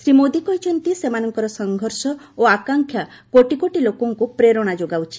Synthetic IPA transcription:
sɾimod̪ikɔɦit͡ʃʰɔnt̪isemanɔŋkɔɾɔsɔŋɡʱɔɾsɔ | oakaŋkʰja | koʈikoʈilokɔŋkupɾeɾɔɽ̃ad͡ʒoɡawt͡ʃʰi̥

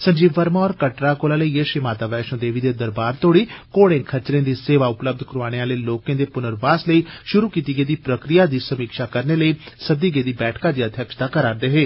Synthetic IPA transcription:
sə̃ɲd͡ʒiːʋəɾmaːɔːɾkəʈɾaːkoːlaːləiːeːʃimaːt̪aːʋɛːʃõːd̪eːʋiːd̪eːd̪əɾbaːɾt̪oːɽiːkoːɽẽːkʰət͡ʃɾẽːd̪iːseːʋaːʊpləb̚d̪ʱkəɾoaːɽ̃eːaːləiːloːkẽːd̪eːpʊnəɾbaːsləiːʃʊɾuːkiːt̪iːɡeːd̪iːpɾəkɾijaːd̪iːsəmiːkʃaːkəɾneːləiːsəd̪iːɡeːd̪iːbɛːʈʰkaːd̪iːəd̪ʱjəkʃd̪aːkəɾaːɾd̪əɦeː

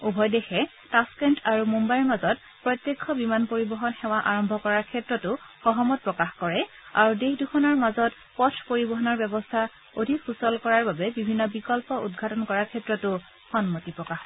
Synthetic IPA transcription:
ubʱɔjdexɛ | taskɛntaɹumumbajɹmazɔt | pɹɔt̪jekʰːɔbimanpoɹibɔɦɔnxɛw̃aʔaɹɔmbʱɔkɔɹaɹkʰɛtɹɔtʊxɔɦɔmɔt̚pɹɔkaxkɔɹɛ | a̰ɹudexdukʰɔnaɹmazɔt | pɔtʰpoɹibɔɦɔnɔɹbɛbɔstʰa | odʱikfusɔlkɔɹaɹbabɛbibʱinːɔbikɔlpɔʔṵdɡʱatɔnkɔɹaɹkʰɛtɹɔtʊ | xɔnmotipɹɔkax

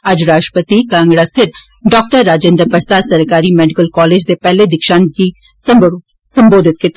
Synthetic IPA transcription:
ad͡ʒɾaːʈəpət̪ikãːŋɡɽast̪ʰɪt̪̚ | ɖɔːk̚ʈəɾːaːd͡ʒẽːnd̪ɾpɐɾsaːd̪sɐɾkaːɾimɛːɖɪkəlkɔːleːd͡ʒsepɛɦled̪ɪkʃaːnki | sɐ̃mboːd̪ʱɪt̪ket̪

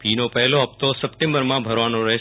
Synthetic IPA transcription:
piːnopɐɦɪloɦɐft̪osɐpʈẽːmbəɾmãbʱɐɾʋaːnoɾɐɦe

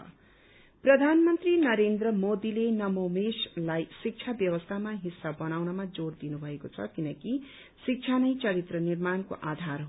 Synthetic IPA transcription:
prʌd̪ʱanmʌnt̪rinʌɾend̪rʌmod̪ilenʌmowmeslajsik̚t͡sʰabjʌwʌst̪ʰamaɦisːabʌnawnʌmad͡zord̪inubʱʌekot͡sʰʌ̰kinʌki | sik̚t͡sʰanʌjt͡sʌɾit̪rʌnirmanko̰ʔad̪ʱarɦo

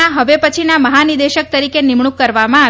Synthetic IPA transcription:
ãɦəʋepət͡ʃʰinaməɦanid̪eʃək̚t̪əɾikenimɳ̃ukːəɾʋamãa

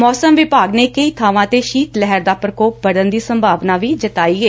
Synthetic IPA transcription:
mɔːsəmʋɪpaːɡneːkəiːt̪ʰaːʋãːt̪eːʃiːt̪lɛɦəɾd̪aːpɾəkoːp̚bəɽənd̪iːsəmbʱaːʋnaːʋiːd͡ʒət̪aːiːeː

